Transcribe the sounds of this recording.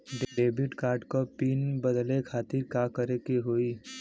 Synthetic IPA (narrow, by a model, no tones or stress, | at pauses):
ɖɖeːbɪʈkaːɾɖkopiːnbəd̪lekʰaːt̪ɪɾkakəɾekeɦoːiː